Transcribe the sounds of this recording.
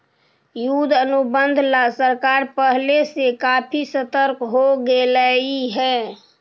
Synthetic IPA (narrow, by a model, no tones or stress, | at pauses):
jud̪ʱənubənd̪ʱlasəɾkaɾpəɦlesekapʰisət̪əɾkɦoɡeləiɦɛː